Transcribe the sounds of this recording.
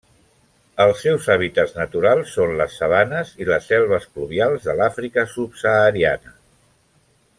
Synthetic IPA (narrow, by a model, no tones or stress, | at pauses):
əlˠsːɛwzaβ̞it̪ədznət̪uɾalˠsːonləsːəβanəziləsːɛlˠβ̞əskluβialˠzðəlafɾikəsupsəːɾianə